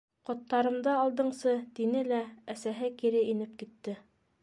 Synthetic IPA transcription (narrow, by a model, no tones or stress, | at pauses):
qŏt̪ːɑɾɤ̆md̪ɑːlˠd̪ɤ̆ɴsɤt̪inɘlææsæɦɘkiɾɘinɘp̚kit̪ːɘ